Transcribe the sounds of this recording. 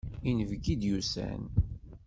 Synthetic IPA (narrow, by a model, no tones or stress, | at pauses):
inəvɡid̪jusæ̰n